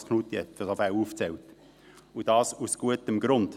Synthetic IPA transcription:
skʰnuːt̪jɛtfəsɔfæuːft͡sɛlt | ud̥ɑːsusɡ̥uətəmɡɾʊnd̥

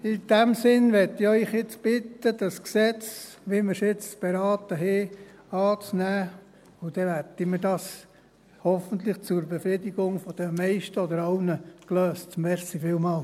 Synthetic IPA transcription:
ɪd̥æmsɪnʋɛtɪœʏχɪt͡sb̥ɪt̪əd̥̪ɑsksɛt͡sʋiməɾsɪt͡sb̥eɾɑːtəɦe | ɑːt͡snæː | ʊd̥̪ɛʋætimədɑːs | hɔfənt̪lɪχt͡sʊɾbefɾɪd̪iɡʊŋfɔd̥̪əmɛɪʃtəɔd̪əɾɑʊnəkløːstmɛɾsifɪːlmɑːl

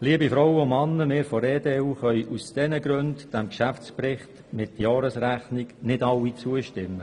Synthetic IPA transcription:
liːəbifɾɔwəʊmɑnːəmɪːɾfɔɾeːdeːuχœjʔusd̥ɛnəɡɾʉndd̥æmkʃæft͡spɾɪχt | mɪt̪jɑːɾəsɾæχniknɪdɑwːit͡suəʃtɪmːə

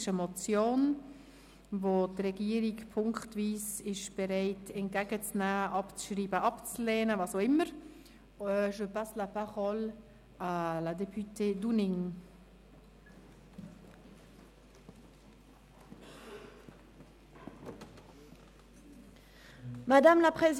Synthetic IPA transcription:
ʃəmot͡sjoːn | votrɛɡiəɾikpʰʊŋktviːsɪʃb̥ɛɾaɪtʰɛntɡ̥ɛːɡət͡snæːʔɑpt͡sʃriːbəʔɑpt͡slɛːnəvɑːsaʊɪməɾ | œʃəpaslapaχɔl | aladɛpʰytʰeːdunɪŋ | madamlapχez

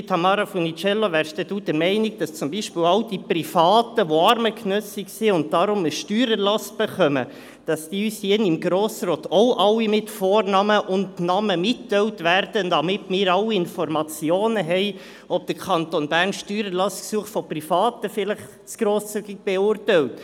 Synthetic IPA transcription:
tʰːɑmɑːɾafɔnit͡ʃɛlːoʋæːɾʃd̥ɛd̥uːd̥əmɛɪnɪɡ̚d̥ɑst͡sʊmbiʃpɪːlɑʊd̥iprifɑːtəʋoɑɾməknœsɪksiʊnt̚d̥ɑɾʊməʃtyːɾəlɑst̚b̥eχœmə | d̥ɑsd̥iːyːsjinɪmɡɾoːsɾoːt̪ɔʊʔɑlːimɪtfoːɾnɑməʔʊndnɑməmɪtːɛwtʋærd̥əndɑmɪtmɪːɾɑwːiɪnfɔɾmɑt͡sjoːnəɦɛɪ | ɔb̚d̥əɾkʰɑnt̪onbæːɾnʃtyːɾəlɑsksuəχtfɔprifɑːtəfɪləχ | t͡sɡ̥ɾoːst͡syɡɪk̚b̥ɛʊrtɛwt

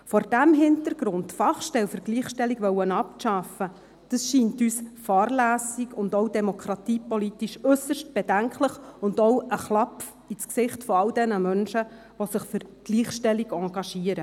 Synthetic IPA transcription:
fɔɾd̥æmɦɪntəɾɡ̥ɾʊndfɑχʃtɛlfəɾɡliːχʃtɛlːiɡʋœwənɑp̚ʃɑfə | d̥əsʃiːntyːsfɑːrlæːsiɡʊndɔwdɛmɔkʰɾɑt̪iːpɔlitiʃɵsəʃt̚b̥ɛdæŋkʰləχʊndɔwəχlɑpf | it͡sksɪχtfɔɑwdɛnəmœnʃə | ʋɔsɪχfʏɾɡ̥liːχʃtɛlːiɡɑ̃ːɡɑʃiəɾə

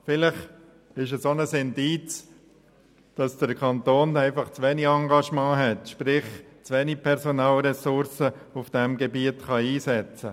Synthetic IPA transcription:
fɪlɪχ | ɪʃɛsonəsɪndiːt͡s | d̥ɑsd̥əɾkʰɑnt̪oːnæɪfɑχt͡sʋɛniɑŋɡɑʃmɑ̃ːɦɛtʃpɾɪχt͡sʋɛnipʰɛɾsonɑːlɾɛsʊɾsəufd̥ɛmɡɛbiətχɑiːsɛt͡sə

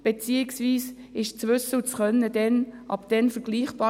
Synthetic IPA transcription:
b̥et͡siːɪksviːs | ɪʃt͡svʏsəlt͡sχœnːədɛnʔɑbd̥ɛnfəɡ̥liːχb̥ɑː

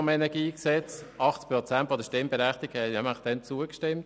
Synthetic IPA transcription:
mɛnɛɡiːksɛt͡sɑχt͡spɾɔt͡sæntfɔd̪əʃtɪmbɛɾɛχtiɡ̥ɛnɛmlɪχd̪̥ɛnt͡suəkʃtɪmt

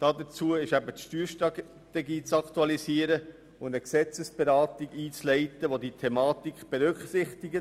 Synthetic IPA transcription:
d̥ɑːdət͡suəɪʃæbətʃtyːɾʃtɑ | t̪ɛɡiːt͡sɑktuɑlisiəɾə | ʊndəksɛt͡səsb̥eɾɑːtiɡiːt͡slɛɪtəʋoditʰɛmɑːtikχb̥ɛɾʏkχsɪχtiɡə

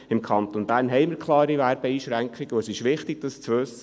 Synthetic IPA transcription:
ɪmkʰɑnt̪onb̥æːnɦɛɪmɪɾkʰlˠɑːɾivæɾb̥əiːʃɾæŋkʰχiɡ̥əoəsɪʃʋɪχtɪɡ̥̚d̥ɑst͡sʋʉsːə

